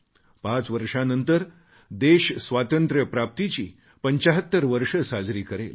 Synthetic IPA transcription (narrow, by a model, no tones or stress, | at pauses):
pãt͡sʋəɾʂanənt̪əɾ | d̪eɕsʋat̪ənt̪ɾəpɾap̚t̪it͡ɕiː | pəɲt͡ɕaɦət̪ːəɾʋəɾʂəsad͡zɾiːkəɾḛl